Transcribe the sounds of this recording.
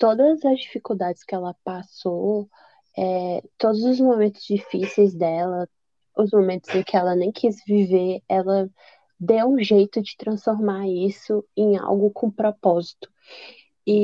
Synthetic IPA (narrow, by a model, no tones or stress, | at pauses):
t̪od̪ɐzɐzd͡ʒifikuwd̪ad͡ʒɪskɪɛlɐpaso | ɛt̪od̪ʊzʊzmomẽnt̪ʊzd͡ʒifisejzd̪ɛlɐ | ʊzmomẽnt̪ʊzẽkɪɛlɐnẽj̃kʰizviveɛlɐ | d̪ewũʒejt̪ʊd͡ʒɪt̪ɾɐ̃sfoɾmaɾisʊẽj̃a̰wɡʊkʰõpɾɔpɔzit̪ʊ̥ | i